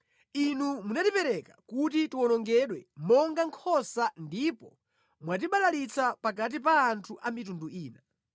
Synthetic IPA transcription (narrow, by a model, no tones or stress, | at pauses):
inumunatipɛɾɛkakutitiwɔnɔŋɡɛɗwɛmɔŋɡaŋkʰɔsandipɔ | mwat̬iɓalalit͡sʰapak̬at̬ipaːntʰuʔamitunduʔiːna